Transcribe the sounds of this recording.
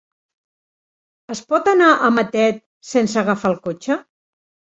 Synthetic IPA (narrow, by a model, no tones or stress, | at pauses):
əspɔt̪ənaʔəmət̪ɛt̪̚ | sensəɣafalˠkot͡ʃə